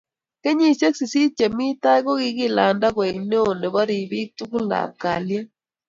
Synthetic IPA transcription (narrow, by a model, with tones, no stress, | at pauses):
ke˦ɲi˦se˦ksi˨si˦t͡ʃe˨mi˦ta˦i˦ɣo˦ɣi˦ɣi˦la˨nda˦ɣwa˨i˨ne˦o˨ne˨βa˦ɾi˨βi˦tu˦ku˦la̰˨ka˨lja˦